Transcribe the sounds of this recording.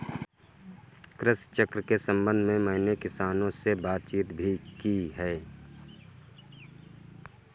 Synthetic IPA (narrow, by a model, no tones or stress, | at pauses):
kɾɪst͡ʃəkɾkesə̃mbə̃nd̪ʱmẽməɦɪnekɪsaːnõsebaːt̪̚t͡ʃiːt̪bʱikiɦɛː